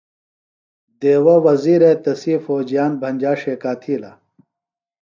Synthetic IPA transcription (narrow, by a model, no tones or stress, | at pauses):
d̪eːwɐwɐziːɾet̪ɐsiːfoːd͡ʑijaːnbʱɐnʲd͡ʑaːʂeːkaːt̪ʰiːlɐ̰